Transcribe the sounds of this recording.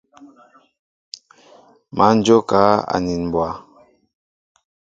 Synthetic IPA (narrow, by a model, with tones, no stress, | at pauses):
mʔa˨˦n̩˦d͡ʒo˦ka˨˦a̰˨ni˨nm˨bwa˨˦